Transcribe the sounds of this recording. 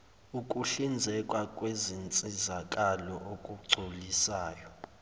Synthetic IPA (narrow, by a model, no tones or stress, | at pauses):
ukʼuɬind͡zʱɛkʼwakʼwezint͡sʼizakʼalɔʔokʼuɡ͡ǀʱulisaːjɔ